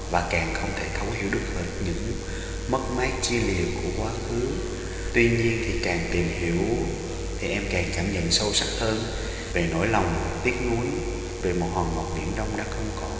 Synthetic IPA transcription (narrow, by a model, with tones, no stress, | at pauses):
vaː˨˩kaː˨˩ŋxə˧wŋ͡mt̪ʰe˧˩t̪ʰə˨˦whḭ˧˩˥əwɗɨ˨˩ək̚həː˨˩t̚ɲɨ̰˧˥ŋ | mə˦˥t̚maː˨˦˥j̚t͡ɕi˧li˨˩əwku˧˩əkwaː˨˦xɨ˨˦əŋ | t̪wi˧ɲi˧ənt̪ʰi˨˩kaː˨˩ŋt̪i˨˩mhi˧˩əw | t̪ʰi˨˩ʔɛ˧mkaː˨˩ŋkaː˧˩mɲə̰˧˨nsə˧wsa˦˥t̚həː˧n | ve˨˩no̰˧˥jla˨˩wŋ͡m | t̪i˦˥ət̚nu˨˦j | ve˨˩mo˨˩t̚hwaː˨˩ŋmɔ˨˩t̚mḭ˧˩ənɗə˧wŋ͡mɗa̰ː˧˥xə˧wŋ͡mkɔ˨˦